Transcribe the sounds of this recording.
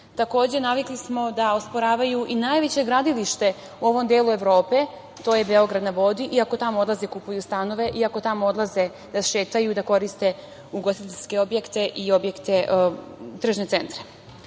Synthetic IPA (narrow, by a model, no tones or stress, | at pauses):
t̪ako̞ːd͡ʑe̞naʋiklismo̞d̪aospoɾaːʋajuʔinajʋe̞t͡ɕe̞ɡɾad̪iliʃt̪e̞ | uo̞ʋo̞md̪jeːlˠue̞ʋɾo̞ːpe̞ | t̪o̞ːjebeo̞ɡɾad̪naʋo̞d̪iʔiako̞t̪amood̪lˠazekupujust̪ano̞ʋe̞ʔiako̞t̪amoo̞d̪lˠaze̞ | d̪aʃe̞ːt̪ajud̪ako̞ɾist̪e̞ | uɡosit̪eʎʲske̞o̞bje̞kt̪e̞ʔio̞bjekt̪e̞ʔ | t̪r̩ʒnese̞nt̪ɾe̥